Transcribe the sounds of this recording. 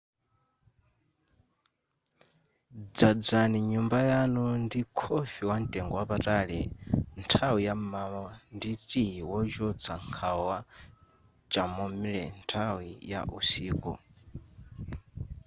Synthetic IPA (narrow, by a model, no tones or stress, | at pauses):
d͡zad͡zaniɲumbajanundikʰɔfiwan̩tʼɛŋɡɔwapataɺɛ̰ntʰawijamamanditijiwɔd͡ʒɔt͡sʰaŋkʰawa | t͡ʃʼamɔmiɺɛ̰ntʰawija̰ʔusiːkɔ̰